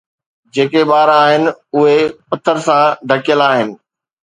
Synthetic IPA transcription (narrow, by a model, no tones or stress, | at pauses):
d͡ʑeːkeɓaːɾaːɦɪnɪ̆ʊɦepɐt̪ʰːəɾsãɖ̪ʱɐkɪjəlaːɦɪnɪ̆